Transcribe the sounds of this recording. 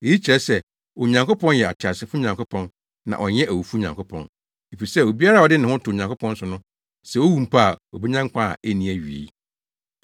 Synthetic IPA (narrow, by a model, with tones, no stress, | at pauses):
e˨ji˦t͡ɕʰi˨ɾɛ˦sɛ˦ | o˨ɲã˨ŋko˦pʰɔ̃˦njɛ˨a̰˨tʰɪ˨a˨sɪ˨˦fʊ˦ɲã˨ŋkʊ˦pʰɔ̃˦n | nã̰˨ʔɔ˨ɲɛ˦ʔæ˨wu˨fu˦ɲã˨ŋkʰʊ˦pʰɔ̰̃˨n | e˨fi˨sɛ˦o˨bi˦a˦ɾa˦˨ɔ˨dɪ˦nɪ̃˨hʊ̃˦tʰʊ˨ɲã˨ŋkʰʊ˦pʰɔ̃˦n̩˦sʊ˨nʊ̃˦ | sɛ˦˨wo˦wũ˨m˨pʰa˦a˨ɔ˨be˦ɲã˦ŋkʷʰã˦a̰˨ʔæ˦nĩ˨æ˨ɥi˨ḛ˨˦